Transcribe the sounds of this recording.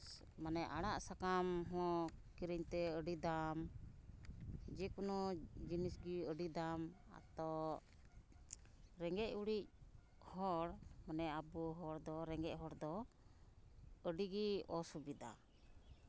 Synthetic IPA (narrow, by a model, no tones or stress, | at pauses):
manɛʔaɽaʔsakamɦɔ̃kiɾiɲt̪ɛəɖid̪am | d͡ʒɛkunɔd͡ʒinisɡiəɖid̪ama̰t̪ɔ | ɾɛŋɡɛc̚uɽic̚ | hɔɽmanɛabuɦɔɽd̪ɔɾɛŋɡɛʔ̚ɦɔɽd̪ɔ | əɖiɡiɔsubid̪a̰